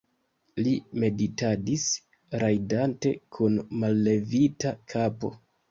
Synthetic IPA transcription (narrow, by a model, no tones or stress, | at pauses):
lime̞ditadis | ɾajdante̞̰kʰunmalːe̞vitakʰapo̞̰